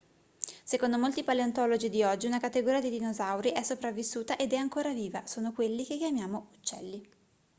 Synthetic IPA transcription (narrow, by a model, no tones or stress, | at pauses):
sekond̪omolt̪ipaleant̪ɔlod͡ʒid̪iɔd͡ʒːiunakat̪ːeɡoɾiad̪id̪inozawɾiʔɛsːopɾavːisːuːt̪aʔed̪ɛaŋkoːɾaviːva̰soːnokwelːik̟ekjamjaːmout͡ʃːɛ̰lːi